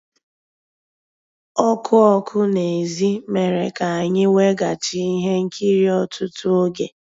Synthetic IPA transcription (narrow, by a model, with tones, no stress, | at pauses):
ɔ˦kʰʊ˦ɔ˦kʰʊ˦ne˨zi˦me˨ɾe˨ka˨a˨ɲɪ˦we˦ɡa˨t͡ʃi˦i˦ɦe˦ŋ̩˦kʰi˦ɾi˦ɔ˨tʊ˦tʊ˦o˦ɡḛ˨